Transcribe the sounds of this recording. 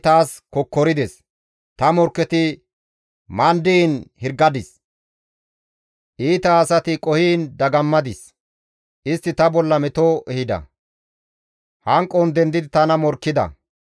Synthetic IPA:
t̪aːskɔkːɔɾɪd̪ɛs | t̪ɐmɔɾkːɛt̪ɪ | mɐnd̪iːnhɪɾɡɐd̪ɪs | ʔiːt̪ɐːsɐt̪ɪkʼɔhiːnd̪ɐɡɐmːɐd̪ɪs | ʔɪst̪ːɪt̪ɐbɔlːɐmɛt̪oʔɛhɪd̪ɐ̰ | hɐŋkʼːɔnd̪ɛnd̪ɪd̪ɪt̪ɐnɐmɔɾkːɪd̪ɐ̰

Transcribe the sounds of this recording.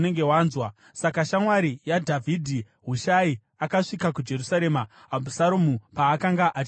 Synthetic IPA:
ne̞ŋɡe̞waːnzwa | sakaʃamwaɾijadʱavʱidʱi | ɦuʃai | akaʂikakud͡ʒe̞ɾusaɾe̞ːma | ɦabʱusaɾomupaːkaŋɡaʔat͡ʃ

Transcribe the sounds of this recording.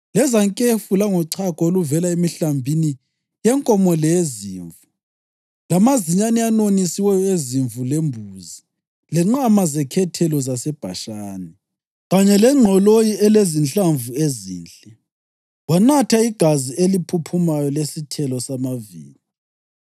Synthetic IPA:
lɛzaŋkʼefulaŋɔǀʰakʼɔoluvɛlaemiɬambʱini | jɛŋkʼɔmɔlɛzḭːɱvu | lamaziɲanɛanonisiwɛjɔeziɱvulembʱuzi | lɛŋ͡ǁamazɛkʰɛtʰɛlɔzasɛb̥ʱa̰ʃaːnɛ | ɣaɲɛlɛŋ͡ǀʱɔlojiɛlezint͡ɬaɱvuezḭːnt͡ɬʼɛ | wanatʰaiɡ̥ʱazielipʰupʰumajɔlesitʰɛlɔsamavḭːli

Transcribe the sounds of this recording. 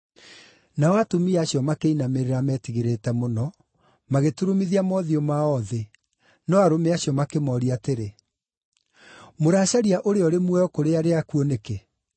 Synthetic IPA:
naɔatomiaɕjɔmakeinameɾeɾamɛːtiɣeɾetɛmonɔ | maɣetuɾomiðiamɔðiɔmaɔðe | nɔaɾomeaɕjɔmakemɔːɾiateɾe | moɾaːɕaɾiaʔoɾeɔɾemwɛɔkoɾeaɾeakuɔneke

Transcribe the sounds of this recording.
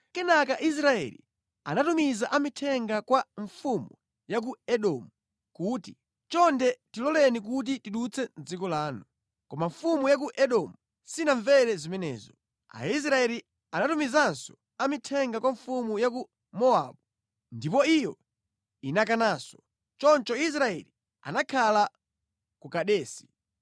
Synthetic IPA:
kɛnakaʔis̬ɾaɛ̰lḭ | a̰natumizaʔamitʰɛŋɡakwaɱfumu | jak̬uɛɗɔmu | kuːti | t͡ʃɔndɛtilɔlɛnik̬ut̬itiɗut͡sʰɛnd͡zikɔlaːnu | kɔmaɱfumujak̬uʔɛɗɔmu | sinaɱvɛɾɛzimɛnɛ̰ːzɔ | a̰is̬ɾaɛli | anatumizansɔ̥ | amitʰɛŋɡakwaɱfumujaku | mɔaːɓu | ndipɔijɔ | inakanaːsɔ̥ | t͡ʃɔnt͡ʃɔis̬ɾaɛ̰li | a̰nakʰala | kukaɗɛːsi̥

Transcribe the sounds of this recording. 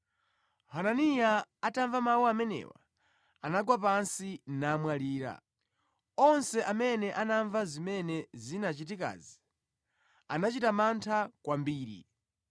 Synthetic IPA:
hananijaataɱvamawuamɛnɛ̰wa̰ | anaɡwap̬ansinamwaliːɾa̰ | ɔnsɛʔamɛnɛʔanaɱvazimɛnɛzinat͡ʃit̬ika̰ːzi | anat͡ʃitamantʰakwambiːɾḭ

